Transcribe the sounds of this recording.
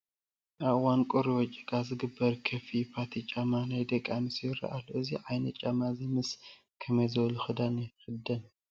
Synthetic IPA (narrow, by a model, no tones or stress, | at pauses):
ʔaβwankʼuɾiwɔt͡ʃʼːikʼazɨɡɨbːɐɾkʰɐfipʰat̪ʰit͡ʃʼamanajd̪ɐkʼːanɨsjɪrɐ̰ʔalːoʔɨziʕajnɐt͡ʃʼamazimɨs | kʰɐmɐjzɐwluxɨd̪anɐjxɨd̪ɐn